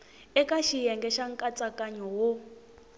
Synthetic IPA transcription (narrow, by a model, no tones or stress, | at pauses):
ɛkʼaʃijɛŋɡɛʃaŋ̩kʼat͡sʼakʼaɲɔwo